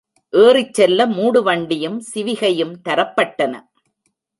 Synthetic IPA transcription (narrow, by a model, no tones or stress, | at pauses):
ʔeːrɪt͡ʃːɛlːɐmuːɽɯʋɐɳɖɪjɯmsɪʋɪɣɐjɯmt̪ɐɾɐpːɐʈːɐnɐ̰